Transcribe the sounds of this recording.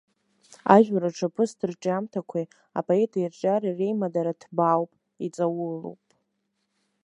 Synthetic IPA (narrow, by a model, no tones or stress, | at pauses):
aʒᶣaɾaʈ͡ʂʰapʰɨsdɨrd͡ʒʼamtʰakʷʰa | a̰pʼoetʰʼairt͡ʃʼaɾarejmadaɾatʰbawpʼ | it͡sʼawʊlṵwpʼ